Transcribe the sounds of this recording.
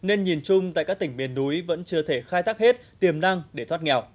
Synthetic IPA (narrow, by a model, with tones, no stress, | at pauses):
ne˧nɲi˨˩nt͡ɕʊ˧ŋ͡mt̪a̰ː˧˨kaː˦˥k̚t̪ï˧˩ŋ̟ɓi˨ənːu˨˦jvə̰˧˥nt͡ɕɨ˧ət̪ʰe˧˩xaː˧jt̪ʰaː˦˥k̚he˦˥t̚t̪i˨˩əmna˧ŋɗe˧˩t̪wa˦˥t̚ŋɛ˨˩w